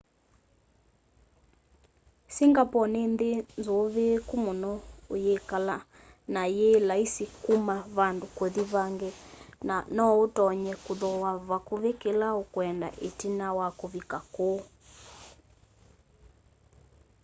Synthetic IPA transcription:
siŋɡapɔnendenzoβekomonɔojekala | najelaisikumaβandokoðiβaŋɡenanɔotɔɲɛkoðɔwaβakoβekelaokwɛnda̰ʔetinawakoβikako

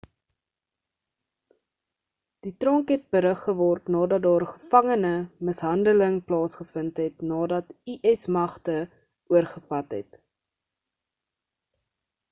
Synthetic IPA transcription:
d̥itrɔŋkɦɛt̚bəɾəχːəvɔrtnɑːdɐt̚dɑːrχəfɐŋənəməsɦɐndələŋplɑːsχəfəntɦɛtnɑːdɐtiʔɛsmɐχtə | ʔuərχəfɐtɦɛ̰t

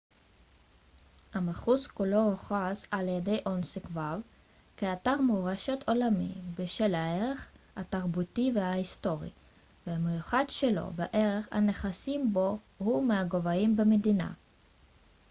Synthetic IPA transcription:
hameχuskulo̞oχasaljede̞jʔonsekvav | keataʁmoʁeʃet̪ʰolamḭbeʃelaeʁeχha̰taʁbutiveaisto̞ʁḭ | vehamejuχadʃelo̞̰beʔe̞ʁeχha̰neχasimbo̞ | humeaɡo̞vaimbemedina̰

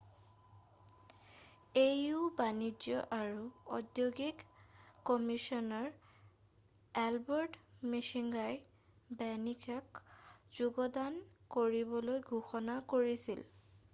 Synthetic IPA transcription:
ejʊbanid͡ʒɔʔaɹuɔdjoɡikː | ɔmisɔnaɹ | ɛlbɔɹdmisiŋɡaj | bɛnikʰakzuɡɔdankoɹibɔlojɡʱuxɔnakoɹisil

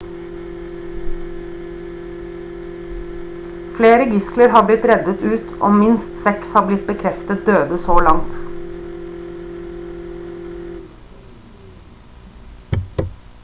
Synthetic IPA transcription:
fleːɾəɡɪsləɾhɑːblɪt̪ɾɛd̪ət̪ʉːt̪ʔo̰ːmɪnst̪sɛkshɑːblɪt̪̚bəkʰɾɛft̪ət̪̚d̪øːd̪əsoːlɑŋt̪

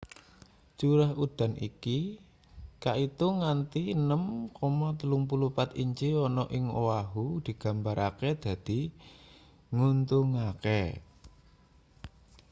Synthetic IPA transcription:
t͡ʃuɾaɦud̪̥a̤nʔḭki | kaʔit̪uŋant̪inəmkɔmɔt̪əluŋpulupat̪iɲt͡ʃiɔnɔʔɪŋo̰waɦud̪̥i̤ɡ̥ä̤mbaɾʔaked̪̥ä̤d̪̥i̤ | ŋunt̪uŋakɛ̰

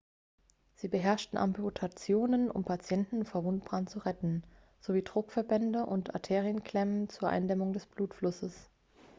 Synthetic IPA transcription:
z̥iːbəɦɛɐʃtn̩ʔa̰mputʰat͡sjoːnənʔʊ̰mpʰat͡sjɛntn̩foːɐvʊntb̥ʁantt͡suʁɛtn̩ | z̥oviːdʁʊkfɛɐbɛndəʔʊntʔa̰tʰeːʁiənkʰl̥ɛmənt͡suːɐʔa̰ɪndɛmʊŋdɛsb̥luːtflʊsəs

